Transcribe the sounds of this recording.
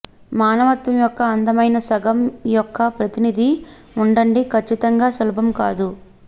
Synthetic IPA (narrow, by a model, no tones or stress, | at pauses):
maːnɐʋɐt̪ʋɐmjɔkːɐːnd̪ɐmɐjnɐsɐɡɐmjɔkːɐpɾɐt̪inid̪ʱi | uɳɖɐɳɖikʰɐt͡ʃːit̪ɐŋɡaːsɐlɐbʱɐmkaːd̪u